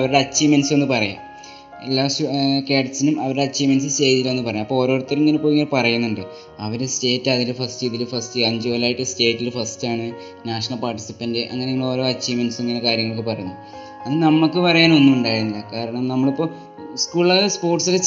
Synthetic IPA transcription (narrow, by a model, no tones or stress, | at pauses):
ɐʋɐɾuɽeɐt͡ɕːimɐnɐse̞nːɨpɐrɐja̰ | elːaːsukeːʈsinumɐʋɐɾuɽeɐt͡ɕːimɐnɐs̬ɨt͡ɕe̞jt̪ilːaenːɨpɐrɐjamːɐpːooːɾo̞ːrut̪ːɐɾiŋːɐnepoːjiŋːɐlpɐrɐjunːuɳɖɨ | ɐʋɐɾeste̞ːtːɐðilɨfɐstɨiðilfɐstɨɐɲd͡ʑɨːlaːjiʈːɨste̞ːʈːilfɐstaːɳɨ | naːʂɐɳɐlpaːrʈːisi̥pːɐndeʔɐ̰ŋːɐneiŋːɭo̞ːɾo̞ːɐt͡ɕːimɐnɐseŋːɐnekaːɾjɐŋːɐɭokːɨpɐrɐjuɲːu | ɐðɨnɐmːɐɭkːɨpɐrɐjaːno̞nːumuɳɖaːjiɾunːɐlɐkaːɾɐɳɐmnɐmːɐɭipːoː | skuːɭːɐɣspo̞ːrʈsile